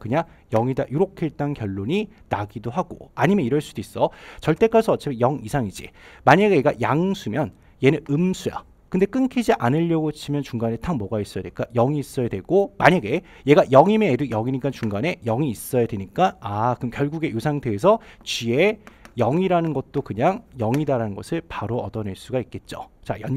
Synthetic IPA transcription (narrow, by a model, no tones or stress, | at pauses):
kɯɲaŋ | jʌŋida̰juɾokʰet͈ankjʌɭːoɲi | naɡidoɦaɡo̰aɲimjʌniɾʌɭs͈ud̥ois͈ʌt͡ɕʌɭt͈e̞k͈asʰʌʌt͡ɕ͈ʰemejʌŋisʰaŋid͡ʑḭmaɲaɡejeɡajaŋsʰumjʌn | je̞nɯnɯmsʰuja̰ | kɯndek͈ɯnkʰid͡ʑiʔanɯʎːʌɡot͡ɕʰimjʌnt͡ɕuŋɡane̞tʰaŋmʌɡais͈ʌjadeɭk͈ajʌŋiːs͈ʌjadwe̞ɡ̥omaɲaɡe̞ | je̞ɡajʌŋimedɯjʌŋiɲik͈ant͡ɕuŋɡane̞jʌŋiːs͈ʌjadwe̞ɲik͈aakɯmkjʌɭɡuɡe̞josʰaŋtʰeːs̬ʰʌt͡ɕie̞jʌŋiɾanɯnɡʌt̚t͈okɯɲaŋjʌŋidaɾanɯnɡʌsʰɯɭpaɾoʌdʌneɭs͈uɡaik̚k͈e̞t̚t͡ɕ͈o̰t͡ɕajʌ